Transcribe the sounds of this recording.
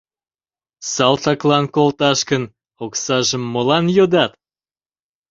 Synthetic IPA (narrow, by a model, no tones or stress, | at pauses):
sɑlt̪ɑklɑnkolt̪ɑʃkən | oksɑʒəmːolɑnjod̪ɑt̪